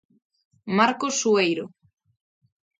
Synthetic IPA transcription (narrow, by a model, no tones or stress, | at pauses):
maɾkosːuejɾo